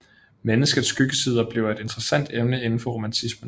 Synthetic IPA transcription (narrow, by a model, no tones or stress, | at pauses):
menəsɡ̥ð̩ˠsːɡ̥yɡ̥əsiːð̞ˠɐb̥le̝ʊe̝d̥e̝nd̥ʁɐsæn̰d̥emnəe̝nn̩fɒ̽ʁo̝mænt͡sʰismən